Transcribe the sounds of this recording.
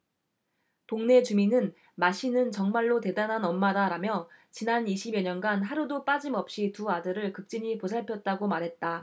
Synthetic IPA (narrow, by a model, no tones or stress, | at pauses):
poŋne̞t͡ɕuminɯn | maɕ͈ʰinɯnt͡ɕʌŋmaɭːote̞danɦanʌmːadaɾamjʌt͡ɕinaniɕʰibeɲʌnɡanɦaɾudop͈ad͡ʑimʌp̚ɕ͈ituadɯɾɯɭkɯk̚t͡ɕ͈iɲiposʰaɭpʰjʌt̚t͈aɡomaɾɦe̞t̚t͈a